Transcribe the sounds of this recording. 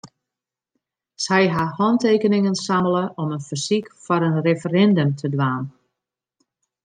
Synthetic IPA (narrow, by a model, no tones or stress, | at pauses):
sɛjɦahɔnteːkənɪŋənsamələʔɔmənfərsikfɔɾənrefərɛndəmtʰədʋaːn